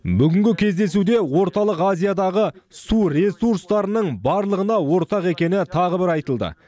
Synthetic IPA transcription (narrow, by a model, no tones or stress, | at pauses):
bʏɡʲɪŋɡʲɪkʲʰe̞zd̪e̞sud̪e̞wo̞ɾt̪ɑlˠəqazʲijad̪ɑʁəsuɾe̞suɾst̪ɑɾənəɴbɑɾlˠəʁənɑwo̞ɾt̪ɑqe̞kʲe̞nɪt̪ʰɑʁəbɪɾɑjt̪əlˠd̪ə̰